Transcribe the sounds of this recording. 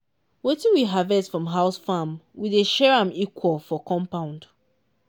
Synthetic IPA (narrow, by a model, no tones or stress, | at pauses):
wetĩwiɦavɛsfɹɔ̃mɦaʊsfamwiðeʃɛɹãmikʰwɔlˠfɔkɔ̃mpãʊ̃nd